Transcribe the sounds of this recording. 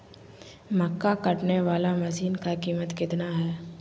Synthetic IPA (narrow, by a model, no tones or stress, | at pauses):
mɐkːakɐʈneʋaːlamɐsiːnkakiːmət̪kɪt̪naɦɛː